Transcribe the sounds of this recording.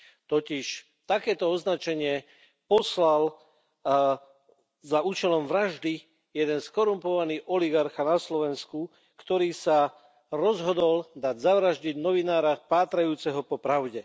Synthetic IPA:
t̪ɔciʃ | t̪akɛːt̪ɔɔznat͡ʃɛɲɪɛ | pɔslal | zauːt͡ʃɛlɔmʋɾaʒd̪i | jɛd̪ɛnskɔɾumpɔʋaniːʔɔliɡaɾxanaslɔʋɛnsku | kt̪ɔɾiːsa | ɾɔzɦɔd̪ɔld̪aɟzaʋɾaʒɟiɟnɔʋinaːɾapaːt̪ɾajuːt͡sɛɦɔpɔpɾaʊɟɛ

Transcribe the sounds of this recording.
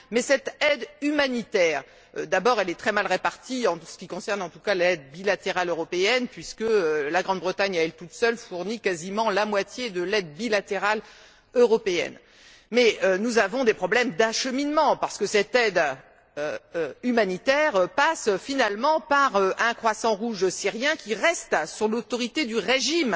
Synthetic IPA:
mɛsɛt̪ɛd̪ymanit̪ɛːʁ | ø̰d̪abɔʁɛlɛt̪χɛmalʁepaʁt̪iɑ̃sə̥kʲikɔ̃sɛʁnɑ̃t̪ukalɛd̪bilat̪eʁaløʁɔpeɛnpɥiskəølaɡʁɑ̃d̪bʁət̪aɲaɛlt̪ut̪sœlfuʁnikazimɑ̃lamwat̪jed̪əlɛd̪bilat̪eʁal | øʁɔpeɛ̰n | mɛønuzavɔ̃d̪epχɔblɛmd̪aʃəminmɑ̃paʁsə̥kəsɛt̪ɛd̪ | øøymanit̪ɛʁpasfinalmɑ̃paʁøʔɛ̃kχwasɑ̃ʁuʒsiʁjɛ̃kʲiʁɛst̪syʁlot̪ɔʁit̪ed̪yʁeʒim

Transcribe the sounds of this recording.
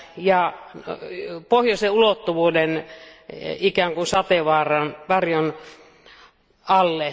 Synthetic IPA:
jɑ | pohjoseulot̪ːuʋuːden | ikæˑŋkusɑt̪eʋɑːrɑnʋɑrjon | ɑlːe

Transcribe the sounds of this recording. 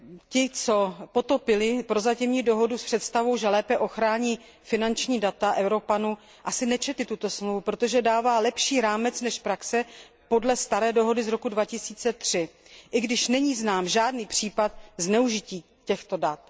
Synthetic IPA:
cɪt͡so̞po̞t̪o̞pɪlɪpɾo̞zacɪmɲiːdo̞ɦo̞duspr̥ɛt̪st̪avo̞wʒɛlɛːpɛʔo̞xɾaːɲiː | fɪnant͡ʃɲiːdat̪aʔɛwɾo̞panu | ʔasɪnɛt͡ʃɛt̪ɪt̪ut̪o̞smluvupɾo̞t̪o̞ʒɛdaːvaːlɛpʃiːɾaːmɛt͡snɛʃpɾaksɛ | po̞dlɛst̪aɾɛːdo̞ɦo̞dɪzɾo̞kudvacɪsiːt͡sɛt̪r̝̥ɪʔɪɡdɪʃnɛɲiːznaːmʒaːdniːpr̝̥iːpat̪znɛuʒɪciː | cɛxt̪o̞dat̪

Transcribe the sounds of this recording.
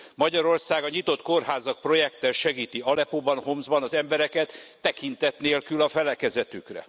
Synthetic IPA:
mɒɟɒɾo̞rsaːɡɒɲit̪o̞t̪ko̞rɦaːzɒk̚pro̞jɛkt̪ɛlʃɛɡiːt̪iɒlɛpoːbɒnɦomzbɒnɒzɛmbɛɾɛkɛt̪ː | ɛkint̪ɛt̪neːlkylɒfɛlɛkɛzɛt̪ykrɛ̰

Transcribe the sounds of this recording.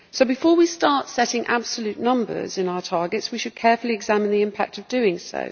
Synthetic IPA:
soʊbɪfɔːwistɑˑtsɛtɪ̃ŋʔa̰b̥səljʉˑʔnʌ̃mbə̰zɪ̃naʊətʰɑːɡɪtswiʃəd̚kʰɛːˑfəliɪɡzamɪ̃nðiɪ̃mpʰa̰k̚təvdʉːɪ̃ŋsə̰ʊ

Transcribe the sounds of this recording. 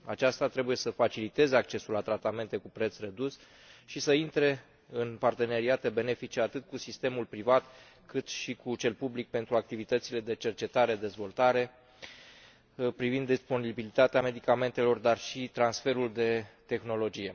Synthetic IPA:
a̰t͡ʃast̪at̪ɾe̞buje̞səfat͡ʃilit̪e̞zeak̚t͡ʃe̞sulat̪ɾat̪ame̞nt̪e̞kupɾe̞t̪sre̞d̪us | ʃisəint̪ɾe̞ | ɨnpart̪e̞ne̞ɾiat̪e̞be̞ne̞fit͡ʃeat̪ɨt̪̚kusist̪e̞mulpɾivat̪ | kɨt̪ʃikʰut͡ʃe̞lpublik̚pe̞nt̪ɾuak̚t̪ivit̪ət̪sile̞d̪e̞t͡ʃe̞rt͡ʃe̞t̪aɾe̞d̪e̞zvo̞lt̪aɾe̞ | pɾivind̪ːispo̞nibilit̪at̪eame̞d̪ikame̞nt̪e̞lo̞rd̪arʃit̪ɾansfe̞ɾuld̪e̞t̪e̞xno̞lo̞d͡ʒije̞

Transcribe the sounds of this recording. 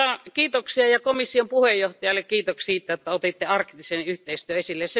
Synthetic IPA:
ɑkiːt̪oksiɑjɑkomisːiompuhejoht̪ɑjɑlːekkiːt̪okssiːt̪ːæjot̪ːɑot̪et̪ːeɑrkːt̪isenyht̪eist̪yøesilːesse

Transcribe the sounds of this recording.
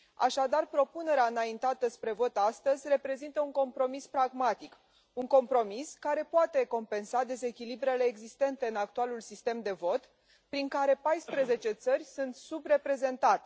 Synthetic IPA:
a̰ʃad̪arpɾo̞pune̞ɾeaɨnaint̪at̪əspɾe̞vo̞t̪ast̪əzʲre̞pɾe̞zint̪əuŋko̞mpɾo̞mispɾaɡmat̪ik | uŋko̞mpɾo̞miskaɾe̞poat̪e̞ko̞mpe̞nsad̪e̞ze̞kʲilibɾe̞le̞ːɡzist̪e̞nt̪e̞ɨnak̚t̪ualulsist̪e̞md̪e̞vo̞t̪ | pɾiŋkaɾe̞pajspɾeze̞t͡ʃe̞t̪sərʲsunt̪subre̞pɾe̞ze̞nt̪at̪e

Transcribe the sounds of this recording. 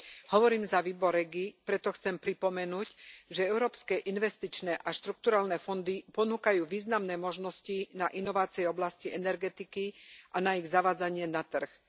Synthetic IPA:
hɔʋɔɾiːmzaʋiːbɔɾɛɡipɾɛt̪ɔxt͡sɛmpɾipɔmɛnuːcʒɛɛʊɾɔːpskɛʔinʋɛst̪it͡ʃnɛʔaʃt̪ɾuk̚t̪uɾaːlnɛfɔnd̪ipɔnuːkajuːʋiːznamnɛːmɔʒnɔscinaʔinɔʋaːt͡siɛɔblasciɛnɛɾɡɛt̪ikiʔanaiɣzaʋaːd͡zaɲɪɛnat̪r̩x

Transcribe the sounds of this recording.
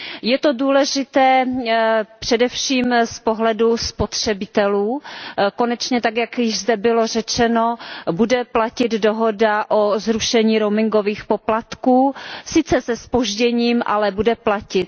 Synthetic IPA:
jɛt̪oduːlɛʒɪt̪ɛː | pr̝̥ɛdɛfʃiːmspoɦlɛduspo̞t̪r̥ɛbɪt̪ɛluːkonɛt͡ʃɲɛt̪akjakjɪʒzdɛbɪlo̞r̝ɛt͡ʃɛnobudɛplacɪd̪doɦo̞daʔozɾuʃɛɲiːɾomɪŋɡoviːxpoplat̪kuːsɪt͡sɛsɛspoʒɟɛɲiːmʔa̰lɛbudɛplacɪt̪̚

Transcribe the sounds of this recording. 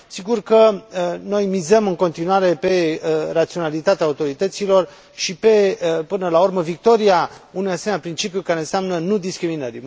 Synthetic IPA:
siɡurkəno̞jmizəmɨŋko̞nt̪inuaɾe̞pe̞rat̪sio̞nalit̪at̪eaut̪o̞ɾit̪ət̪silo̞r | ʃipe̞pɨnəlaurməvik̚t̪o̞ɾiaunujaseenʲjapɾint͡ʃipjukaɾe̞nseamnənud̪iskɾiminəɾi

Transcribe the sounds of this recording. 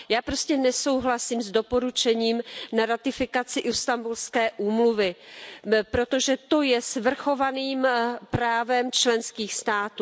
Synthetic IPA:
jaːpɾo̞scɛnɛso̞wɦlasiːmzdo̞po̞ɾut͡ʃɛɲiːmnaɾat̪ɪfɪkat͡sɪʔɪst̪ambulskɛːʔuːmluvɪ | pɾo̞t̪o̞ʒɛt̪o̞jɛsvr̩xo̞vaniːmpɾaːvɛmt͡ʃlɛnskiːxst̪aːt̪u

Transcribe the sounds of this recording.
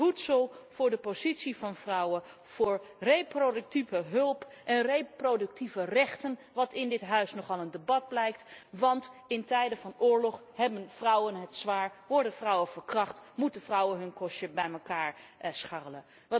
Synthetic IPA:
vutsəlˠv̥ʊːɹdəpozitsivɑnvrʌwə | v̥ʊːɹrejprodɵk̚tivəɦɵlˠp | ʔɛnrejprodɵk̚tivərɛχtən | ʋɑtɪndɪtɦœɥsnɔχɑlˠəndebɑd̚blɛjk̚tʋɑntɪntɛjdəvɑnʊːɹlɔχ | ɦɛbənvrʌwənɦətsʋaːɹʋɔɹdənvrɔwəvəɹkrɑχtmutəvrʌwənɦɵnkɔʃəbɛjməkaːɹsχɑrələ | ʋɑ

